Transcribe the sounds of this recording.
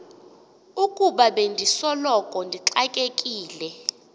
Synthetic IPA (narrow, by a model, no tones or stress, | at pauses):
ukʼuɓaɓendʱisɔlɔkʼɔndʱiǁakʼekʼiːlɛ